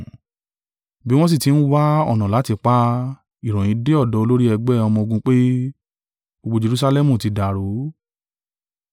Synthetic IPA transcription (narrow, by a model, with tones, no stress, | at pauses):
bi˨˦w̃ɔ̃˦s̬i˦˨ti˨˦ñ̩˦wa˦ɔ̰˦˨nã˨la˨˦ti˧k͡pa˦ | i˨ɾ̃ɔ̃˨j̃ĩ˨˦de˦ɔ˦˨dɔ˧˦o˧lo˦ɾi˦ɛ˧ɡ͡bɛ˦˨ɔ˧mɔ̃˧o˧ɡũ˧k͡pe˦ | o˧ɡ͡bo˧d͡ʒe˧ɾu˦sa˧lɛ˦mũ˨ti˧da˨ɾo˨˦